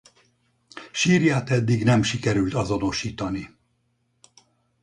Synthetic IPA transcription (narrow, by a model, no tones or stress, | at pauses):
ʃiːrjaːt̪ɛd̪ːiɡnɛmʃikɛɾylt̪ɒzo̞no̞ʃiːt̪ɒni